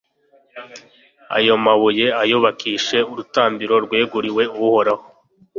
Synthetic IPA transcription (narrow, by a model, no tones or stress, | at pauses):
a̰jo̞maβuje̞ajoβakiːʃe̞uɾutaːmbiɾo̞ɾɡweːɡuɾiwe̞uwuho̞ɾaho